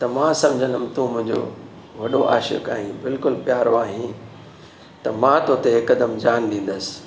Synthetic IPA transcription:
t̪ɐmãːsɐ̃md͡ʑʱənəmɪt̪ũːmʊ̃ɦɪ̃ɲd͡ʑo̰ | ʋɐɗoʔa̰ːʃə̰ka̰ːɦĩbɪlkʊlpjaːɾoaːɦĩ | t̪ɐmãt̪oːt̪eekəd̪əmd͡ʑaːnɗ̪ĩːn̆d̪əsɪ̥

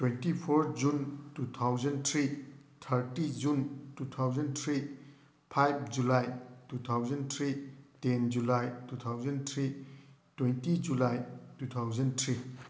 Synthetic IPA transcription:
twentipʰoɾd͡ʒuntutʰawd͡ʒentʰɾitʰɐɾtid͡ʒuntut̪ʰawd͡ʒentʰɾi | pʰajp̚ʰd͡ʒulajtutʰawd͡ʒentʰɾitend͡ʒulajtutʰawd͡ʒentʰɾitwentid͡ʒulajtut̪ʰawd͡ʒentʰɾi

